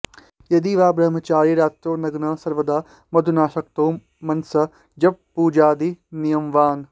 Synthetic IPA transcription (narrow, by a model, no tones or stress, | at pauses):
jɐd̪iːʋaːbɾɐɦmɐt͡ʃaːɾiɾaːt̪ɾoːnɐɡnɐsɐɾʋɐd̪aː | mɐd̪ʱunaːʃɐk̚t̪oː | mɐnsɐ | d͡ʒɐb̚puːd͡ʒaːd̪inijɐmʋaːn